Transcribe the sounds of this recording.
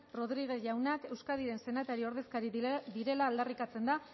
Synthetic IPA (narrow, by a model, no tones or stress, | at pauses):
ro̞ðɾiɣ̞e̞ʝawnake̞wskaðiɾe̞nse̞nat̪aɾio̞ɾð̞e̞skaɾiðiɾe̞laːld̪arikat͡se̞nd̪a